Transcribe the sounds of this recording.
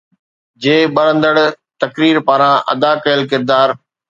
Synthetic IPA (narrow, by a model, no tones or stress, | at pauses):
d͡ʑeːɓɐɾə̃nd̪əɽ | t̪ɐkɾiːɾpaːɾãʔɐ̰d̪aːkɐjəlkɪɾd̪aːɾ